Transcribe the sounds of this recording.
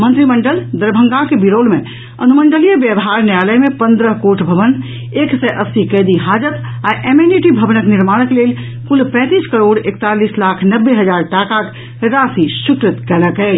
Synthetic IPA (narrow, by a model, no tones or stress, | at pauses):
mə̃nt̪ɾiməɳɖəld̪əɾbʱə̃ŋɡakebiɾolmẽ | ənuməɳɖəlijəbjəbɦaɾnjaləjmepə̃nd̪ɾəɦkoʈʰbʱəʋən | eksɛʔəsikəjd̪iɦad͡ʒət̪aʔemeniʈibʱəbnəkniɾmaɽ̃əklel | kulpɛ̃t̪iskəɾoɽekt̪alislakʰnəbːeɦəd͡ʒaɾʈakak | ɾasisukɾət̪kɛləkɛ